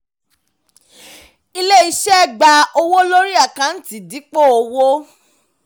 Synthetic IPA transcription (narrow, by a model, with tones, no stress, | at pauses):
i˧le˦i˧˦ʃɛ˦˨ɡ͡ba˧o˧wo˦lo˦ɾi˦a˦˨kã˨˦n̩˦ti˨di˨˦k͡po˦˨o˧wo˦